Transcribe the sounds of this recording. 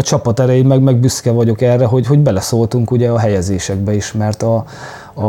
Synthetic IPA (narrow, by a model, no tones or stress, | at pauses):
ɒt͡ʃɒpɒt̪ɛɾɛjimɛɡmɛɡbyskɛvɒɟo̞kɛrːɛɦo̞ɟɦo̞ɟbɛlɛsoːlt̪uŋkuɟɛɒɦɛjɛzeːʃɛɡbɛiʃmɛrt̪ɒ